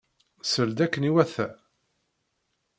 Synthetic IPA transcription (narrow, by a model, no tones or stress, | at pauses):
səld̪ækːəniwæθæ